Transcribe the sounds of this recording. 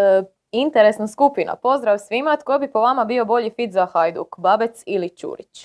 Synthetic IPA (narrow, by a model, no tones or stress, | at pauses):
int̪eɾesnaskupina̰po̞zd̪ɾaʋsʋimat̪̚kojbipo̞ʋamabio̞bo̞ʎifit̪zaxajd̪ṵkbabet̪silit͡ʃṵːɾit͡ʃ